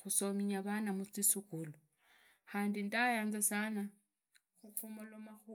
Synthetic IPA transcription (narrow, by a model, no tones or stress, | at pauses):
xusomiɲaβanamut͡sisukulo | xaːndindajaːnzasana | xukʰumolomaxu